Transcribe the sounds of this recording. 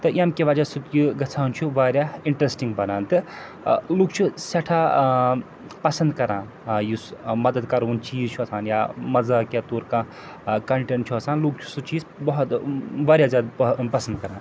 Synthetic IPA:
t̪ɨjɐmkeʋaːd͡ʒaːsut̪juɡɐt͡sʰaːnt͡ʃʰuʋaːɾjaiɳʈɾesʈiŋɡbɐnaːnt̪ɨ | luːk̚t͡ʃʰusɐʈʰaː | pɐsɐnd̪kɐɾãː | jusmɐd̪əd̪kɐɾuːnt͡ʃiːzt͡ʃʰuɐsʰaːnjamɐzakat̪oːɾkã | kɐɳʈeɳt͡ʃʰuɐsaːnluːk̚t͡ʃʰu̥sut͡ʃiːzbɐɦut̪ʋaːɾjazjaːd̪pɐsənd̪̚kɐɾãː

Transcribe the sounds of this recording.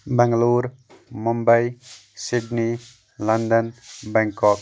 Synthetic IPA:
bɛ̃ŋɡluːɾ | mumbəjsiɖni | lɐnd̪ənbɛŋkɔk

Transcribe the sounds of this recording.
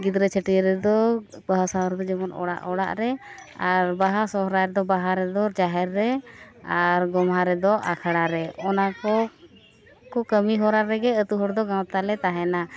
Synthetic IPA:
ɡid̪ɾɛt͡ʃʰəʈiɾɛd̪ɔbaɦasaɾɛd̪ɔd͡ʒɛmɔnɔ̰ɽa̰ʔɔɽa̰ʔɾɛaɾbaɦasɔɦɾaɾɛd̪ɔbaɦaɾɛd̪ɔd͡ʒaɦɛɾːɛaɾɡɔmɦaɾɛd̪ɔʔakʰaɽaɾɛɔnakɔ | kɔkəmiɦɔɾaɾːɛɡɛət̪uɦɔɾd̪ɔɡãwt̪alɛt̪aɦɛna

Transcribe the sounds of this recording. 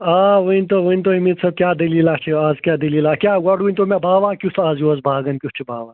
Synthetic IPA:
aːʋəinʲt̪oːʋəinʲt̪oimit̪sʰɐb̚kʲjaːd̪ɐliːlaːt͡ʃʰiazkʲjaːd̪ɐliːlaːkʲjaːɡɐɽunʲt̪omɛ̃bʱaːʋaːkʲjusʰaːzjuɐzbʱaːɡɐnkʲjust͡ʃʰibʱaːʋaː

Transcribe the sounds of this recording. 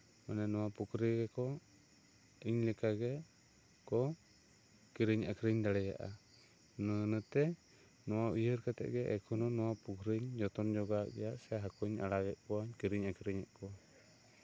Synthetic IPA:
manɛnɔwapukɾiɡɛkɔ | iɲlɛkaɡɛ | kɔ | kiɾiɲakɾiɲd̪aɽɛja̰ʔa̰ | nənət̪ɛ | nɔwaʔiɦəɾkat̪ɛ̰ʔɡɛʔɛkʰunɔnɔwapukɾiɲd͡ʒɔt̪ɔnd͡ʒɔɡaʔɡɛ̰jaʔsɛɦakɔɲa̰ɽaɡɛʔ̪̚kɔaɲkiɾiɲakʰɾiɲaʔkɔ

